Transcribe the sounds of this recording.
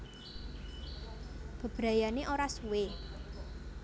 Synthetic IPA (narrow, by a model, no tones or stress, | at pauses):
b̥ə̤b̥ɾa̤janeʔoɾasuwe